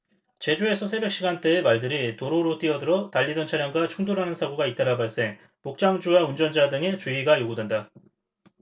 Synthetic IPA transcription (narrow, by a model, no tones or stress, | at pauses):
t͡ɕe̞d͡ʑue̞sʰʌsʰe̞bjʌk̚ɕ͈iɡant͈e̞ːmaɭdɯɾitoɾoɾot͈iʌdɯɾʌtaʎːidʌnt͡ɕʰaɾjaŋɡwat͡ɕʰuŋdoɾɦanɯnsʰaɡoɡait͈aɾabaɭs͈e̞ŋ | pok̚t͡ɕ͈aŋd͡ʑuwaund͡ʑʌnd͡ʑadɯŋe̞t͡ɕuiɡajoɡudwe̞nda